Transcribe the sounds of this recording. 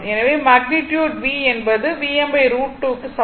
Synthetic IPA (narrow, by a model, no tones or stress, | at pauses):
ɛnɐʋeːmaːɡ̚nɪʈjuːɖʋiːɛnbɐðɯʋiːɛmbɐɪɾuːʈːuːkːɯsɐ